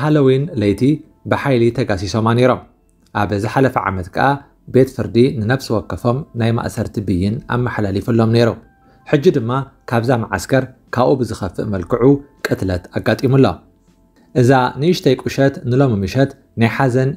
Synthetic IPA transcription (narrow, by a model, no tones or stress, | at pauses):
ɦalɐwinlɐjt̪ʰi | bɨħajlit̪ʰɐɡasiso̞mane̞ɾo̞m | ʔaβzɨħalɐfɐʕa̰mɐt̪kʰɐ̰ʔa | be̞t̪fɨɾd̪inɨnɐβsɨwɔkːɐfo̞mnajma̰ʔsɐɾt̪ʰibɨjːɪna̰mːaħlalifɨlːo̞mne̞ɾu | ħɨd͡ʒːid̪ɨmːakʰaβzamaʕa̰skʰɐɾkʰaβʔubɨzɨxɐfɨ̰ʔmɐlkʰɨʕukʼɨt̪lɐt̪aɡːat̪ʼimulːo | ʔɨzanɨʔɨʃt̪ʰɐjkʼuʃɐt̪nɨlo̞mɨmɨʃɐt̪ | najħazɐn